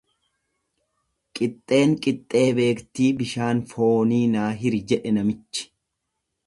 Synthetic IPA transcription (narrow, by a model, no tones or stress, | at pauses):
kʼɪt̪ʼːe̞ːŋkʼɪt̪ʼːe̞ːbe̞ːkt̪iːbɪʃaːnfo̞ːniːnaːɦɪɾd͡ʒɛᶑɛnɐmɪt͡ʃːɪ̥